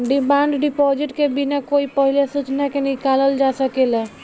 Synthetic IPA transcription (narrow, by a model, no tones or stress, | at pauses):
ɖimaɳɖɖipɔd͡ʒiʈkebinakoipəɦilesut͡ʃnakenikaləld͡ʒasəkelɛ